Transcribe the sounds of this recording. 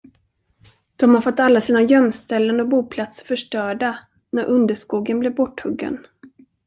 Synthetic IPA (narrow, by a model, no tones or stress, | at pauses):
d̪̥ɔmhaɾfɔt̪ːalːasiːnajœmst̪ɛlːənɔk̚buːpʰlat̪sə̥fœʂʈœːɖa | næɾʔɵnd̪əʂkuːɡənblɪɾbɔʈːhɵɡːə̰n